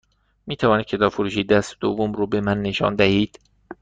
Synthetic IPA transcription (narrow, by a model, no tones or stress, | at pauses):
miːt̪ʰævɒːnid̪̥̚ʲcʰe̞t̪ɒːfoɾuːʃiːd̪æsd̪̥ovːomɾuːbe̞mænːe̞ʃɒ̰ːnd̪æhiːd̪̥